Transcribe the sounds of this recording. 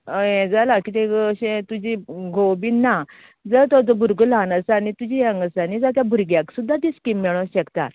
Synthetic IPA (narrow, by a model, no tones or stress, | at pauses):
jɛ̃d͡zalakit̪ẽəɕɛ̃t̪ud͡ʑiɡʱobinːa | d͡zət̪ɔd͡z̪ɔbʱuɾɡəlanəsanit̪ud͡ʑijãŋɡəsanid͡zat̪jabʱuɾɡjaksud̪ʱːat̪iskimːɛɭ̃õɕəkt̪a̰t̪